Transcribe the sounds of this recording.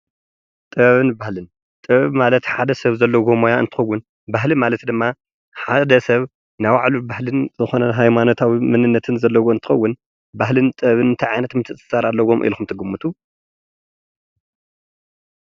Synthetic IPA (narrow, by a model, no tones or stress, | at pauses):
t̪ʼɨββɨnbahlɨn | t̪ʼɨβmalɐt̪ħad̪ɐsɐβzɐlːɐɡomojaɨnt̪ʰɨ̥xɐwːʊn | baɦlimalɐt̪d̪ɨmːa | ħad̪ɐsɐβ | nawaʕlubahlɨnzɨxo̞nɐɦajmano̞t̪ʰawimɨnɨnːɐt̪ʰɨnzɐlːɐwoɨnt̪ʰɨ̥xɐwːʊn | baɦlɨnt̪ʼɨβɨnɨnt̪ʰiʕajnɐt̪mɨt̪ʰɨsʼɨ̥saɾalːɐwo̞mʔḭlxumt̪ʰɨɡɨmːut̪ʰu